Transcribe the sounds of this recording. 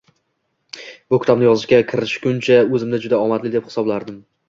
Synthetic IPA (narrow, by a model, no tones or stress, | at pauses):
b̥ʊkʲʰɪ̥t̪ɒb̚nɪjɒzɪʃkʲakʲʰɪɾɪʃkʰʲʊnt͡ʃʰaɵzɪmd̪ad͡ʒʊd̪aɒmat̪lɪd̪e̞phɪ̥sɒblaɾd̪ɪm